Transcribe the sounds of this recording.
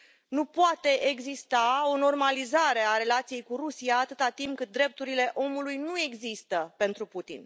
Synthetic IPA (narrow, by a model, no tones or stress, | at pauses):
nupoat̪e̞ʔeɡzist̪ao̞no̞rmalizaɾe̞aɾe̞lat̪sije̞jkuɾusijaːt̪ɨt̪at̪imp̚kɨt̪̚d̪ɾe̞p̚t̪uɾile̞ʔo̞mulujnue̞ɡzist̪əpe̞nt̪ɾuput̪ḭn